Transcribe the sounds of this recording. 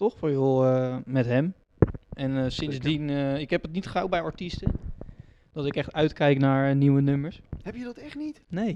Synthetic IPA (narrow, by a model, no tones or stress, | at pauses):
tɔχfɔɹjoəmɛtɦɛm | ʔɛnsɪnzdinɪkɦɛpətnitχawbɛjɔɹtistə | d̥ɔtɪkɛχtœɥtkɛjknaːɹniwənɵməɹshɛpjədɔtɛχtnitnej